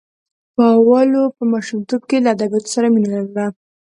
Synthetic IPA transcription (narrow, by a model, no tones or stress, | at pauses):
pɑwɑlopəmɑʃumt̪ob̚kelaːd̪abjɑt̪o̥saɾaminalawɽa